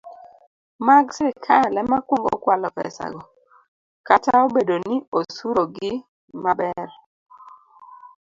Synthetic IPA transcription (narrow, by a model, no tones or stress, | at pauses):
maɡsekʰalɛmakwoŋɡɔ̰kwalɔpɛ̰sa̰ɡɔ | kataobedonɪosuɾoɡɪ | mabɛl